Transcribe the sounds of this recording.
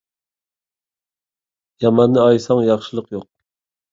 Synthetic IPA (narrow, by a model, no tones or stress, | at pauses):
jɑmɑnːɨɑjsɑŋjɑχʃɨlˠəqjoq̚